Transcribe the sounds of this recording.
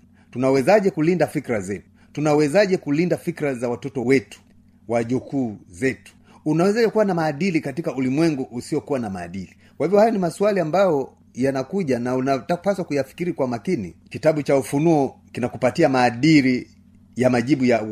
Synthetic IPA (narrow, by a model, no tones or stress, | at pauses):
tunawɛzaʄɛkulindafikɾazɛtu̥ | tunawɛzaʄɛkulindafikɾazawatɔtɔwɛtu̥ | waʄukuːzɛtu̥ | unawɛzaʄɛkuwanamaːɗilikatikaulimwɛŋɡuʔusiɔkuwanamaːɗili | kwahivjɔhajɔnimasualiambajɔ | janakuʄanaunatapaswakujafi̥kiɾikwamakinḭkitaɓut͡ʃaufunuɔkinakupatiamaːɗiɾi | jamaʄiɓuja